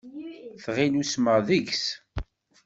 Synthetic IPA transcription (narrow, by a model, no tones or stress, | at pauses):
θʁinusməʁðəʝs